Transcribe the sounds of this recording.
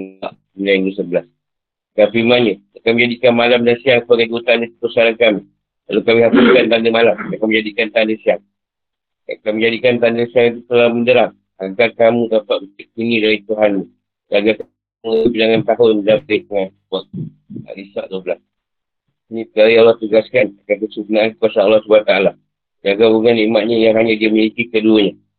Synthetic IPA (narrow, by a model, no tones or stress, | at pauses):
a̰ʔ | inaŋdus̬əbəlas | kapimaɲə | akamə̃ɲd͡ʒadikanmalamdansiaŋsəbaɡajɡuut̪andəpəsaɾankami | la̰lokamĩɦafuskant̪andəŋmalamakamə̃ɲd͡ʒadikant̪andəsiaŋ | a̰kaməɲd͡ʒadikant̪andəŋsiaŋit̪̬ut̪əlaməndəɾaŋ | aɡarkamũd̪apaʔbət̪iʔ̚kunidaɾit̪uɦanːi | d͡ʒaɡak | ubidaŋant̪aɦʊndapek̪əŋa | baʔ̚ | a̰lisaʔd̪obəlas | inĩsəkaɾialːɔht̪uɡaskanakakəsukunaʔankəkuasaːlːɔhsubuat̪aala | d͡ʒaɡabuŋanimaʔɲajaŋɦaɲadiamilikikəduəɲa